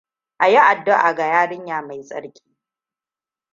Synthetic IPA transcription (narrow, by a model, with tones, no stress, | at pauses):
ʔa˨jo˦ʔa˨dːʊ˦ʔa̰˨ɡa˨jaː˦ɽɪ˦ɲjaː˨ma˨jsʼɐ̰˦ɽkʲʼi̥ː˦